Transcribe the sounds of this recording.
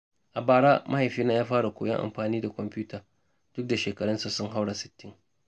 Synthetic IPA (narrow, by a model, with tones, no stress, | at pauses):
ʔa˨baː˨ɽaː˦mʔa˦ha˨jɸiː˦naː˦jaː˦ɸaː˦ɽa˨kʷo̰ː˨jɐ̰˦ŋʔa̰˨mɸaː˨niː˦da˨kʷɔ˨mpʲuː˦ta˨ | d̥ʊ˦k̚da˨ʃeː˨kɐ˨ɽɐ˦nsa˨sʊ˦ŋɦa˦wɽa˨sɪ̥˨tːɪ˦ŋ